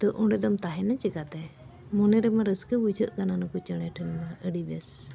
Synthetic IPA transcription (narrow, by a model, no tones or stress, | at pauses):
t̪ɔʔɔɖɛd̪ɔmt̪aɦɛnat͡ʃəkat̪ɛ | mɔnɛɾɛmaɾəskəbud͡ʒʰʱəʔkananakɔt͡ʃəɽ̃ɛʈʰənmaʔəɖibɛs